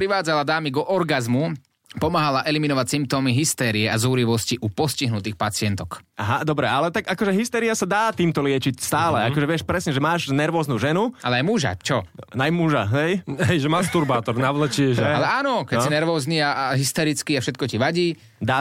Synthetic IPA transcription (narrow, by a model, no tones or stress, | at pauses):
pɾiʋaːd͡zalad̪aːmiɡɔʔɔɾɡazmu | pɔmaːɦalaʔɛliminɔʋacsimp̚t̪ɔmiɦist̪ɛːɾiɛazuːɾiʋɔsciʔupɔsciɦnut̪iːxpat͡sɪɛnt̪ɔkaɦad̪ɔbɾɛalɛt̪aɡakɔʒɛɦist̪ɛːɾiasad̪aːt̪iːmt̪ɔlɪɛt͡ʃicst̪aːlɛakɔʒɛʋɪɛʃpɾɛsɲɛʒɛmaːʒnɛɾʋɔːznuːʒɛnuʔalɛajmuʒa̰t͡ʃɔnajmuʒaɦɛjɦɛjʒɛmast̪uɾbaːt̪ɔɾnaʋlət͡ʃiʃalɛaːnɔkɛsinɛɾʋɔːzniːaaɦist̪ɛɾit͡skiafʃɛt̪̚kɔciʋaɟiː | d̪aː